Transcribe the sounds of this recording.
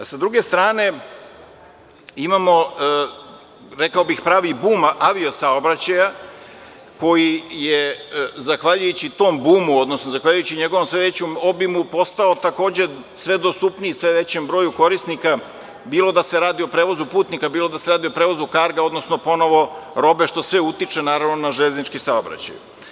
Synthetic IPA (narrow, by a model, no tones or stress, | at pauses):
sad̪ɾuɡe̞st̪ɾaːne̞ | imamo̞ | ɾe̞kaobixpɾaːʋibuːmaʋio̞saobɾat͡ɕaja | ko̞jijezaxʋaʎujut͡ɕit̪o̞ːmbuːmuo̞d̪nosnozaxʋaʎujut͡ɕiɲe̞ɡo̞ʋomsʋeʋe̞t͡ɕumo̞bimupo̞st̪aot̪ako̞ːd͡ʑe̞ | sʋe̞d̪ost̪upniisʋeʋe̞t͡ɕembɾo̞ːjuko̞ɾisnika | biːlˠo̞d̪aseɾaːd̪io̞pɾeːʋo̞zupuːt̪nikabiːlod̪aseɾaːd̪iopɾeːʋo̞zukaɾɡao̞d̪nosnopo̞no̞ʋo̞ɾo̞be̞ʃt̪o̞sʋe̞ut̪it͡ʃe̞naːɾaʋnonaʒeːznit͡ʃkisaobɾa̰t͡ɕa̰j